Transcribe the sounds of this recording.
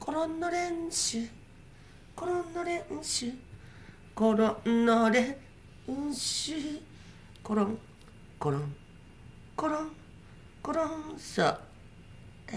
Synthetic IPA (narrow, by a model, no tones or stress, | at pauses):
kʰoɾõnːoɾeɰɕɨ | koɾõnːoɾẽɕɨ | koɾonːoɾẽ | ɕɨ | koɾõŋ | koɾõŋ | koɾoŋ | koɾonso̰